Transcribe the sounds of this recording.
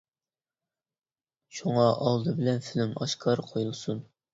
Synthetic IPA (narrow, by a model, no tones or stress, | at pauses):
ʃuŋɑʔɑlˠd̪ɨbɪlɛnfɪlɪmɑʃkʰɑɾqʰojulˠsun